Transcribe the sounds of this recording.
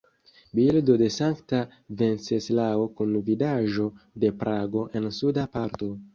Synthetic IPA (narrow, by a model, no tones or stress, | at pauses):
bildo̞de̞saŋkta | ve̞nseslaokunvilaʒo̞de̞pɾʔaɡo̞ʔe̞nsudapaɾto̞